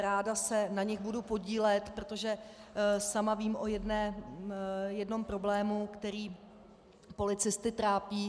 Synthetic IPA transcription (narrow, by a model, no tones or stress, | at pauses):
ɾaːdasɛnaɲɛɣbudupo̞ɟiːlɛt̪pɾo̞t̪o̞ʒɛ | samaviːmʔo̞jɛdnɛː | jɛdno̞mpɾo̞blɛːmukt̪ɛɾiː | po̞lɪt͡sɪst̪ɪt̪ɾaːpiː